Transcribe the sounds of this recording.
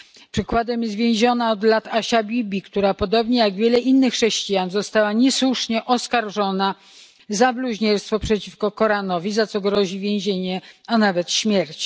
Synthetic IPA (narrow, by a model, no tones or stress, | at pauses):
pʂɘkwad̪ɛmjɛzvʲjɛ̃w̃ʑɔnaɔd̪lat̪aɕabʲibʲikt̪uɾapɔd̪ɔbɲɛjaɡvʲjɛlɛʔinːɘxːʂɛɕt͡ɕijanzɔst̪awaɲɛswuʂɲɛʔɔskaɾʐɔna | zabluʑɲɛɾst̪fɔpʂɛt͡ɕifkɔkɔɾanɔvʲizat̪sɔɡɾɔʑivʲjẽw̃ʑeɲɛanavɛt̪ɕmʲjɛɾt͡ɕ